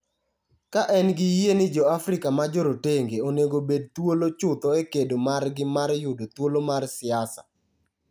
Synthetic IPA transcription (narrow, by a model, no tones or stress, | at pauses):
kaʔɛnɡɪjienɪd͡ʒɔafɾɪkamad͡ʒoɾoteŋɡeoneɡobed̚t̪wolot͡ʃʊt̪ɔekedomarɡɪmarjʊdot̪wolomarsɪasa̰